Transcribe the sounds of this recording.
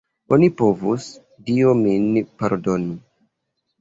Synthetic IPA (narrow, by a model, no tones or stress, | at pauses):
onipo̞vus | diominpaɾdo̞ni